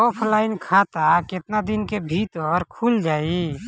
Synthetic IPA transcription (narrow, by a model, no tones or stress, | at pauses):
ɔːpʰlaːɪnkʰat̪akɪt̪nad̪ɪnkebʱiːt̪ɔɾkʰuld͡ʒaːi